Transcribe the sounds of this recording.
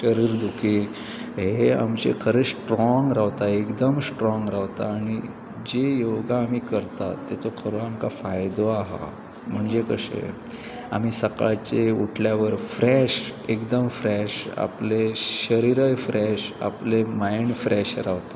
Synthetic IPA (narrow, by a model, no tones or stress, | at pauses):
ɕəɾiːɾd̪ukʰi | ɦea̰mt͡ɕḛkʰəɾesʈɾɔŋɡɾaʋt̪aekd̪əmsʈɾɔ̃ŋɡɾaʋt̪aːɽ̃i | d͡ʑejoɡaːmiːkəɾt̪at̪ːet͡sokʰəɾoamkafajd̪oaɦa̰ | m̤əɳd͡zekəɕḛ | a̰miːsəka̰jt͡ɕeuʈʰljaʋəɾfɾeɕekd̪əmfɾeɕa̰pleɕəɾiɾəjfɾeɕa̰plemajnfɾeɕɾaʋt̪ḁ